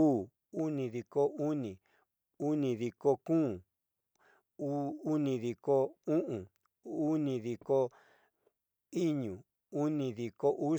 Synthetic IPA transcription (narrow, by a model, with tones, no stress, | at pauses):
u˦˨ | u˦nĩ˨ði˨ko˦u˦nĩ˨ | u˦nĩ˧ði˧ko˧kũː˦ | u˦nĩ˧ði˨ko˦ũ˦ʔũ˨ | u˦nĩ˧ði˨ko˦ | i˦ɲũ˨ | u˦nĩ˧ði˨ko˧ʔu˦